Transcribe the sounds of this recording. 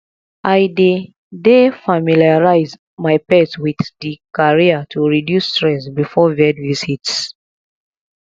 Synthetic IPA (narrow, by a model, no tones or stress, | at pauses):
ʔaɪde | defamiliaɹaɪz | maɪpɛswiðikaɹiatʰuɹidjustɹɛsbifɔvɛdvizits